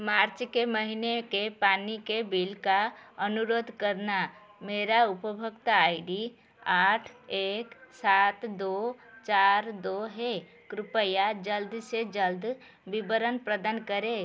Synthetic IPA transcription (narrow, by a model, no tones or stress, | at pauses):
maɾt͡ʃkeməɦinekepanikebilkaənuɾod̪ʱkəɾna | meɾaupəbʱəkt̪aːjɪɖi | aʈʰeksat̪d̪ot͡ʃaɾd̪oɦe | kɾɪpəjad͡ʒəld̪sed͡ʒəld̪ | bibəɾənpɾəd̪ankəɾe